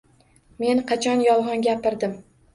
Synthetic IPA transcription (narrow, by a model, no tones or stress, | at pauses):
me̞nqʰɑt͡ʃʰɒnjɒlˠʁɒnɡʲapɪɾd̪ɪm